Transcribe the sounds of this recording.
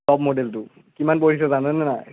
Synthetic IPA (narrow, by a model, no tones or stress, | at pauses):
ɔbmodeltʊ | kimanpoɹis̬ɔzanɛnɛna̰